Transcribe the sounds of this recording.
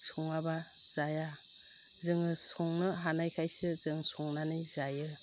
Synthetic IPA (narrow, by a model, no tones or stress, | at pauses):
sɔŋaba | z̥aja | zɯŋɯsɔŋnɯɦanajkʰajsɯzɯŋsɔŋnanɯjzajɯ